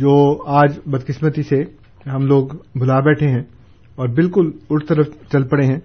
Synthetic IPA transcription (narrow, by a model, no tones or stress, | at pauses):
d͡ʒoːaːd͡ʒbɐd̪kɪsmət̪ise | ɦɐmloːɡbʱʊlaːbɛːʈʰeɦɛ̃ | ɔːɾbɪlkʊlʊɾt̪əɾəft͡ʃɐlpɐɽeɦɛ̃ː